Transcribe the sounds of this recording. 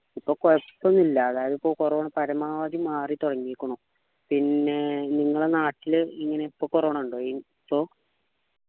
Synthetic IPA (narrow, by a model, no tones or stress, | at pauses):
ipːoːkepːonːilːɐːðaːjɐðipːoːkurɐʋɐɳɐpɐɾɐmaːʋɐd̪imaːrit̪uɽɐŋːiːikʲːuɳu | pinːe̞niŋːɐɭenaːʈːiliŋːɐne̞ipːoːkurɐʋɐɳɐmuɳɖoːen | pːoː